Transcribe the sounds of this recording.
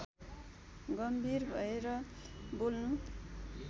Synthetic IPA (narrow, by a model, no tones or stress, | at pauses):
ɡʌmbʱirbʱʌeɾʌbolnu